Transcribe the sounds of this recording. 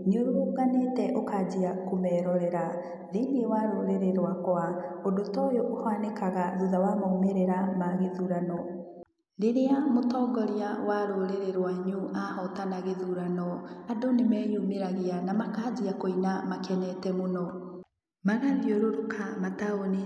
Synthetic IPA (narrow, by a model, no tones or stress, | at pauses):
ɲoɾooɣanetɛʔokaːd͡ʑiakomɛːɾɔɾɛɾa | ðeːŋɡewaɾoɾeɾeɾwakwaodotɔjoʔohwanekaɣaɾuðawamaumeɾeɾamaɣeðuɾanɔ | ɾeɾeamotɔːŋɡɔɾiawaɾoɾeɾeɾwaiɲuahɔtanaɣeðuɾanɔadonemɛːjumeɾaɣeanamakaːd͡ʑiakoinamakɛnɛtɛmonɔ | maɣaðeoɾoɾukʰamataone